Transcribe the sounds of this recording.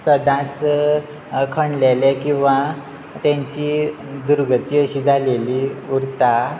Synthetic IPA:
səd̪ãt͡s | kʰəɳlelekĩw̃ʋa | t̪jãɲt͡ɕi | d̪uɾɡət̪iəɕiːd͡zʱaleliuɾt̪a

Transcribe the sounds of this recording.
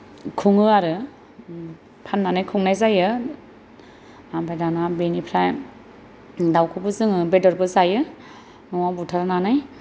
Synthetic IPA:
kʰuŋɯaɾɯ | pʰanːanajkʰuŋnajzajɯ | abajdanabenipʰɾaj | dawkʰɯbɯzɯŋɯbedɔɾbɯzajɯ | nɔwabutʰaɾnanaj

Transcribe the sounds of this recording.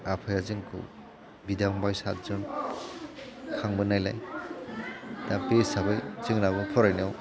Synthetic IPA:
apʰajazɯŋkʰɯ̰w | bidaŋbajsat̚zɔn | kʰaŋbɯnajlaj | tapesabɯjz̥ɯŋnabɯŋpʰɔɾajnɔw

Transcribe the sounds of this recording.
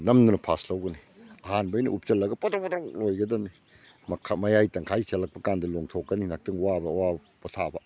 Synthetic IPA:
nɐmdunɐpʰaslɐwɡɐni | ɐhanbɐjnḭʔup̚t͡ʃɐlːɐɡɐpɐtopt̪ɾolojɡɐdɐmi | mʰmɐjajtɐŋkʰajselɐk̚pɐkandɐloŋtʰokːɐninak̚tiŋwabɐwa | bɐtʰabɐ

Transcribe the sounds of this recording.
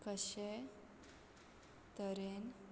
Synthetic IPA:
kəɕe | t̪əɾen

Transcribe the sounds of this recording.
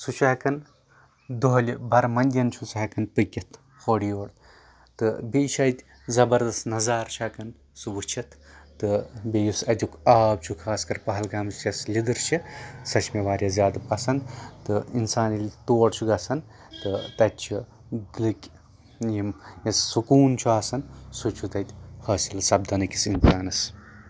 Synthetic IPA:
sut͡ʃʰɐkɐn | d̪oɦɐlʲibɐɾmɐnʲd̪ʲjɐnt͡ʃʰusɐɦkɐnpɨɡʲɐt̪ | xoɽijoːɽ | t̪ɨbʲiʃɐt̪ʲ | zɐbɐɾd̪ɐst̪nɐzaːɾt͡ʃʰɐkɐn | subɨt͡ʃʰɐt̪ːɨbʲejusɐd̪ʲukaːbt͡ʃʰukʰaːskɐɾpɐɦɐlɡaːmst͡ʃɐslʲid̪ɨɾt͡ʃʰisɐt͡ʃʰmeʋaːɾʲjazʲjaːd̪ɨpɐsɐnd̪t̪ɨinsaːnilʲt̪oːɽt͡ʃʰuɡɐsɐn | t̪ɨt̪ɐt̪̚ʲt͡ʃʰi | d̪ɨlɨkʲ | jimjɐsːukuːnt͡ʃʰuaːsɐnsut͡ʃʰut̪ɐt̪ʲhɐːsilsɐb̚d̪ɐnɨkʲisinsaːnɐs

